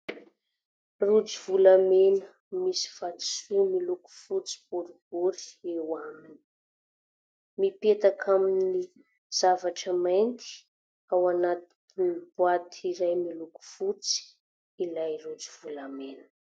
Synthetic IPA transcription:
rud͡zivulamenə | misi̥v̥at̪i̥sumiluku̥fut͡si̥b̥uɾib̥uɾi̥ewamini̥ | mipet̪akʰamini | z̥avaʈ͡ʂəmajnt̪i̥ | awanat̪i̥ | nib̥wat̪ʰiɾajmiluku̥fut͡si̥ | ilajrud͡ziv̥ulamenə̥

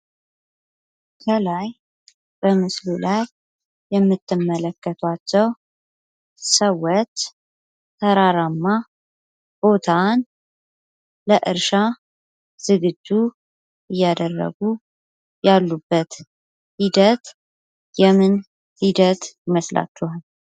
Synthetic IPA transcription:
kʰəlaj | b̥əmɨslulajː | ɛmːɨt̪ʰːɨmːələkːət̪ʰwat͡ʃːɛw | səwːɔt͡ʃ | t̪ʰəɾaɾamːa | b̥o̞t̪ʰan | ləʔɨɾʃa | z̥ɨɡɨd͡ʒːu | ɨjːad̪ərːə̰ɡu | jalːubːət̪ | hid̪ət̪ | jɛmɨn | hid̪ət̪jɪməsla̰t͡ʃːɛhal

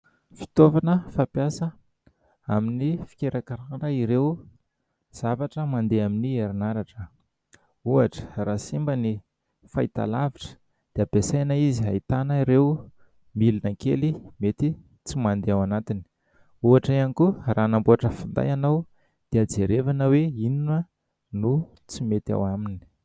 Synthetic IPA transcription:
fi̥t̪ovanəfapjasə | aminifi̥keɾakaɾaɾəiɾew | z̥avaʈ͡ʂəmand̪eaminieɾinaɾaʈ͡ʂə | uaʈ͡ʂə̥raːsimbəni | fait̪a̰laviʈ͡ʂə̥ | d̪̥eabesajnaiziɦa̰jt̪anəiɾew | milinəŋkḛlimet̪i | t͡simand̪eawanat̪ini̥ | uaʈ͡ʂaanikuraːnambuaʈ͡ʂəfind̪a̰janaw | d̪̥ead͡zeɾevanəweininə | nu | t͡simet̪a̰wamini̥

